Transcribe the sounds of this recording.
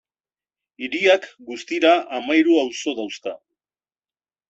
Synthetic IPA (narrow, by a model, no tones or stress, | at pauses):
iɾiakɡust̪iɾaʔːmajɾuawso̞ðawska̰